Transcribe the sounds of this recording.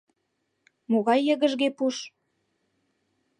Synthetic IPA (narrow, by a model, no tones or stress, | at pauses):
moɣɑjːə̆ɣə̆ʒɣepuʃ